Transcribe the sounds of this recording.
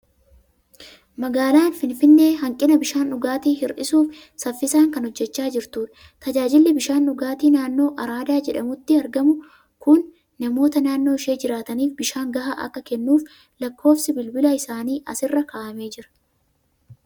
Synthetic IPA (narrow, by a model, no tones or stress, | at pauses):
mɐɡaːlaːnfɪnfɪnːe̞ːɦɐŋkʼːɪnɐbɪʃaːnʊɡaːt̪iːhɪɾʔɪsuːf | sɐfːɪsaːŋkɐnhɔd͡ʒːɛt͡ʃːaːd͡ʒɪɾt̪uːᶑɐ | t̪ɐd͡ʒaːd͡ʒɪlːɪbɪʃaːnːʊɡaːt̪iːnaːnːo̞ːʔɐɾaːd̪aːd͡ʒɛᶑɐmʊt̪ːɪɐɾɡɐmʊ | kʊnː | ɐmo̞ːt̪ɐnaːnːo̞ːɪʃe̞ːd͡ʒɪɾaːt̪ɐniːfbɪʃaːŋɡɐhaʔɐ̰kːɐkɛnːuːf | lɐkːo̞ːfsɪbɪlbɪlɐɪsaːniːʔɐ̰sɪrːɐkaːʔɐme̞ːd͡ʒɪɾɐ̥